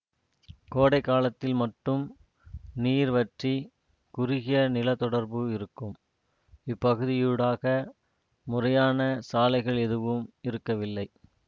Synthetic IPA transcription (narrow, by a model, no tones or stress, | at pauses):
koːɽɐɪkːaːlɐt̪ːɪlmɐʈːɯm | niːɾʋɐʈri | kʊrɪɣɪjɐnɪlɐt̪ɔɽɐɾbɯɪɾɯkːɯm | ɪpːɐɣɯðɪjɯɽaːɣɐ | mʊrɐjaːnɐsaːlɐɪɣɐɭɛðɯʋɯmɪɾɯkːɐʋɪlːɐɪ